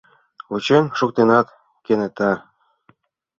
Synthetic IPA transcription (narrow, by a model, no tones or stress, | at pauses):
ut͡ɕenʲʃuk̚t̪enɑt̪ | kʲenĕt̪ɑ